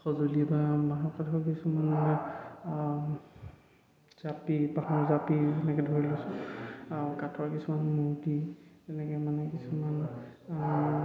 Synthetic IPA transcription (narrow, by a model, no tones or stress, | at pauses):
xɔzoliɛbamaɦɔkatʰɔɹkisumana | z̥apibaɦɔ̃zapizɛnɛkɛdʱoɹilosʊ̃aʊkatʰɔɹkisumanmudiɛnɛkɛmanɛkisuman